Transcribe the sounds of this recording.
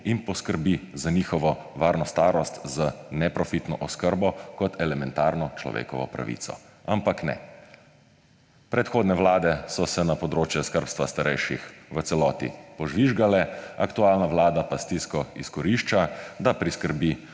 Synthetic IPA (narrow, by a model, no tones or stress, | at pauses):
inpɔskəɾbizaniːxɔʋɔ | ʋaːɾnɔst̪aːɾɔst̪zanɛpɾɔfit̪nɔʔɔskəɾbɔkɔt̪ʰɛlɛmɛnt̪aːɾnɔt͡ʃlɔ̰ʋḛːkɔ̰ʋɔ̰pɾa̰ʋḭːt̪sɔ̰ | ampaknɛ̰ | pɾɛt̪xoːd̪nɛʋlaːd̪ɛsɔsɛnapɔd̪ɾoːt͡ʃjɛskəɾpst̪ʋast̪aɾɛjʃixʋət̪sɛlɔːt̪ḭpɔʒʋiʒɡalɛakt̪uaːlnaʋlaːd̪apast̪iskɔiskɔɾiːʃt͡ʃad̪apɾiskəɾbi